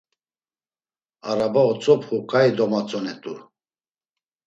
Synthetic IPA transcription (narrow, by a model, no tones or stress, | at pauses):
aɾabaɔt͡sʼɔpχukʼaid̪ɔmat͡sʼɔnɛt̪ʼu